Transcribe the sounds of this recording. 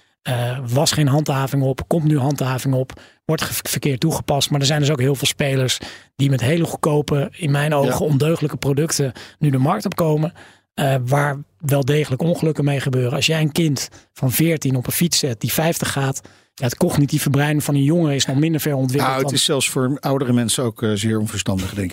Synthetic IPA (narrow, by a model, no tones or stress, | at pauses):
əʋɑsχejnɦɑntɦaːvɪŋɔpkɔmtnyɦɑntɦaːvɪŋɔp | ʋɔɹtχfəɹkɪːɹtːuχə̥pɑstmaːɹdəɹzɛjndɵsowkɦɪːlˠvɪːlˠspejləɹsdimɛtɦejləχukowpəɪnmɛjnowχəɔndøɥχələkəprodɵktənydəmɑɹk̚tɔp̚kowmə | ʋaːɹʋɛlˠdejχələkɔnχəlɵkəmejχəbøːrəɑlˠsjɛjənkɪntfɑnvɪːɹtinɔpənfitsɛt̚d̥ifɛjftəχːaːt | jaətkɔχnitifəbrɛjnəvɑnənjɔŋərəɪsnɔχmɪndəɹv̥ɛɹɔnt̬ʋɪltɪsɛlˠfsfʊːɹawdəɾəmɛnsənowkzɪːɹɔnvəɹstɑndəχdɛŋk